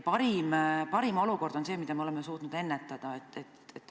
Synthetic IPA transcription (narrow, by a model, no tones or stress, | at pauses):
pɑɾimpɑɾimo̞luko̞rd̪̥o̞nse̞ːmid̪ɑmeolemesuːt̪nud̪e̞nːet̪ːˑɑd̪̥ɑet̪ːet̪et̪ːˑ